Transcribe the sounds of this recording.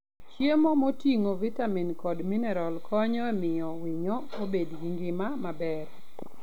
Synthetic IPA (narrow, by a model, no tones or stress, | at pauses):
t͡ʃjemomotiŋovitaminkɔdminɛɾalkʰɔɲɔɛmɪɔwiɲɔobedɡiŋɡɪmamabɛɾ